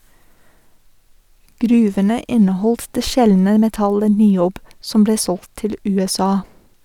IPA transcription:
ˈɡɾʉːʋənə ˈɪnəˌhɔlt ˈdeː ˈʃɛlnə mɛˈtɑlə nɪˈoːb ˈsɔm ˈbleː ˈsɔlt ˈtɪl ˌʉːɛˈsɑː

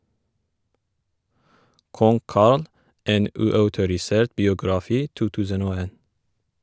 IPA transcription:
ˈkɔŋ ˈkɑɾl ˈeːn ˈʉːˌɑʉtʊɾɪˌseːɾt bɪʊɡɾɑˈfiː ˈtuː ˈtʉːsən ˈoː ˈeːn

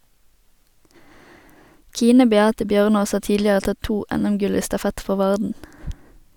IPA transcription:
ˈkiːnə bɛˈɑːtə ˈbjœʁˌnoːs ˈɑː ˈtiːdlɪəʁə ˈtɑ ˈtuː ˈɛnɛmˌɡʉl ˈiː stɑˈfɛt ˈfɔʁ ˈʋɑʁdn̩

